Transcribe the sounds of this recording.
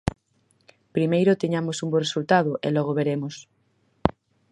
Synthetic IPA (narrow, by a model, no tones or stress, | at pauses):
pɾimejɾot̪eɲamosumboresult̪aðoʔḛlɔɣ̞oβeɾemos